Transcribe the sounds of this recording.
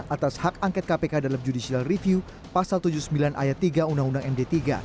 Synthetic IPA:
ʔat̪ashakaŋkɛt̪̚kapekadalamd͡ʒudisialrifiu | pasalt̪ud͡ʒusəmbilanʔa̰jat̪ːiɡaundaŋundaŋɛndet̪iɡa̰

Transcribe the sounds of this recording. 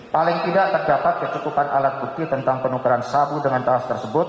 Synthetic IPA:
palɪŋt̪idaʔt̪ərdapat̪̚kət͡ʃukupanʔalat̪̚but̪it̪ənt̪aŋpənukuɾansabudəŋant̪awast̪ərsəbʊt̪̚

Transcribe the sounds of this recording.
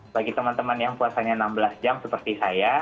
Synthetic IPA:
baɡit̪əmant̪əmanjaŋpuasaɲaənambəlasd͡ʒamsəpərt̪isaja

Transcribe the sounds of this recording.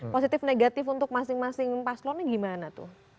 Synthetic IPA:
posit̪ɪfneɡat̪ɪfunt̪ʊk̚masɪŋmasɪŋpaslɔneɡi̤manat̪ʊ̰h

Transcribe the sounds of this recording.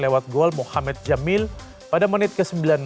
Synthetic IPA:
lewat̪̚ɡɔlmohamɛt̪̚d͡ʒamɪl | padamənɪt̪̚kəsəmbilan

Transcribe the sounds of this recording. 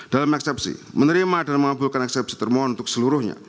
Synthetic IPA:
d̥alamɛksɛp̚sḭmənəɾimadanməŋabulkanɛksɛp̚si̥t̪ərmɔɦɔnunt̪ʊksəluɾʊhɲa̰

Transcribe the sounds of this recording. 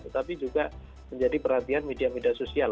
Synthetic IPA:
t̪ət̪apid͡ʒuɡa | məɲd͡ʒadipərhat̪ianmediamediasosial

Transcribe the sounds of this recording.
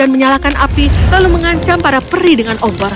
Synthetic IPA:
anməɲalakanʔapilaluməŋaɲt͡ʃampaɾapəɾidəŋanʔɔbɔr

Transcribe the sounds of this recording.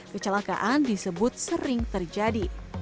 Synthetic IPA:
kət͡ʃəlaka̰ʔandisəbʊt̪̚səɾɪŋt̪ərd͡ʒadi

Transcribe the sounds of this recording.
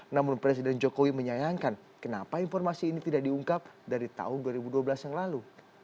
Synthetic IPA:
namʊnpɾes̬idɛnd͡ʒokowiməɲajaŋkan | kənapainfɔrmasiːnit̪idaʔ̚diuŋkap̚daɾit̪a̰ɦʊnduaɾibuduabəlasjaŋlalu

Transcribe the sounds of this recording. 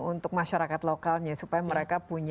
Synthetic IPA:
unt̪ʊk̚maʃaɾakat̪lokalɲasupajaməɾekapuɲ

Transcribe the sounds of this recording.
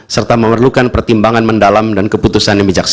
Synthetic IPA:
sərt̪aməmərlukanpərt̪imbaŋanməndalamdankəput̪usanimid͡ʒak̚s

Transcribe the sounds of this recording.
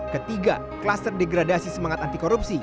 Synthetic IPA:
kət̪iɡa | klast̪ərdeɡɾadasisəmaŋat̪ant̪ikoɾup̚si

